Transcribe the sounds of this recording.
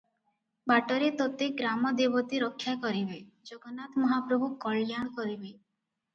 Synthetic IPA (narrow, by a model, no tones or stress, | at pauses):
baʈɔɾet̪ot̪ekɡɾamɔd̪ebɔt̪iɾɔkʰːjakɔɾibe | d͡ʒoɡɔnat̪mɔɦapɾobʱukɔɭjaɽ̃kɔɾibe